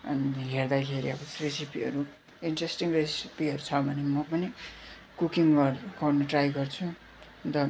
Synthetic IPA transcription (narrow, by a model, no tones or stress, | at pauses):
ʌnɦerd̪akʰeɾiʌbʌresipiɦʌɾu | iɳʈresʈiŋresipiɦʌɾut͡sʰʌbʱʌnemʌpʌni | kukiŋɡʌrɡʌrnʌʈrajɡʌrt͡sʰu | d̪ʌ